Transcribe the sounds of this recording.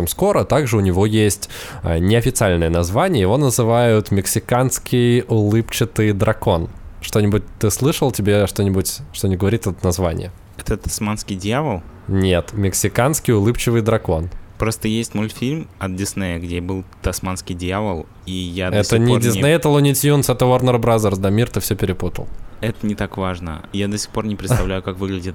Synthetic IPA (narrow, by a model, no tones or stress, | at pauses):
emsko̞ɾət̪aɡʐɨʊnʲɪvo̞jesʲtʲənʲɪɐfʲɪt̪sɨalʲnəjənɐzvanʲɪjəjɪvo̞nəzɨvajʊt̪mʲɪksʲɪkanskʲɪjʊlˠɨpt͡ɕɪt̪ɨjd̪ɾɐko̞nʂt̪o̞nʲɪbʊt̚ʲt̪ɨslˠɨʂəlˠtʲɪbʲeʂt̪onʲɪbʊtʲʂt̪onʲɪʊɡəvɐɾʲit̪ʲɛt̪ət̪nɐzvanʲɪ̰jə | ɛt̪ət̪ɐ̥smanskʲɪjdʲjavəlˠ | nʲe̞t̪mʲɪksʲɪkanskʲɪjʊlˠɨpt͡ɕɪvɨjd̪ɾɐko̞npɾo̞st̪əjesʲtʲmolʲfʲilʲmɐt̪̚dʲɪsnejəɡdʲebɨlˠt̪ɐsmanskʲɪjdʲjavəlˠ | ijadɛsʲənʲɪdʲɪsejɛt̪əlˠʊnʲɪsʲjunsɛt̪əornərbɾazərsd̪amʲirt̪ɨfsʲɵpʲɪɾʲɪput̪ə̰lˠɛt̪ənʲɪt̪akvaʐnə̰jad̪əsʲɪ̥xpo̞rnʲɪpɾʲɪt̪t̪ɐvlʲæjʊkakvɨɡlʲɪdʲɪt̪